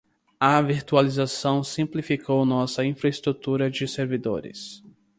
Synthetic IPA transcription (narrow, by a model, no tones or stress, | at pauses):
ɐviɾt̪ualizasɐ̃w̃sĩmplifikʰownɔsɐĩfɾɐest̪ɾut̪uɾɐd͡ʒɪseɾvid̪o̰ɾɪ̰s